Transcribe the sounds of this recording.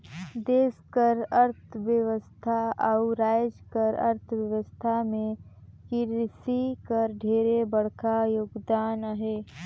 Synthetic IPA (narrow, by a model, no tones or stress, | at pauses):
d̪eːskəɾəɾt̪ʰəʋjəʋəst̪ʰaɐʊɾaːd͡ʒkəɾɐ̰ɾt̪ʰʋjəʋəst̪ʰamẽkiɾɪsikəɾɖʱeːɾebəɽkajoːɡd̪aːnaɦeː